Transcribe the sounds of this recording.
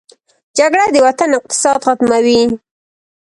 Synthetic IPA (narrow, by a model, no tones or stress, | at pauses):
d͡ʒaɡɽad̪əwat̪anɪq̚t̪ɪ̥sɑd̪xat̪mawi